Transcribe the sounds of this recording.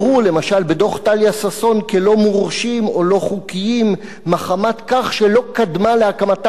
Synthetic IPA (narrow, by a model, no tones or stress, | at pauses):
ʁule̞maʃalbedo̞χt̪aljasaso̞nkelo̞muʁʃimo̞lo̞χukijimː | aχamat̪kaχʃelo̞kad̪maleakamat̪